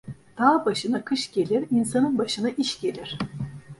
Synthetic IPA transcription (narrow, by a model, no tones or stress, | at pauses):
d̪̥aːbaʃɯnakʰɯʃɟ̥e̞lʲiɾinsanɯnbaʃɯnaʔiʃɟe̞lʲiɾ̥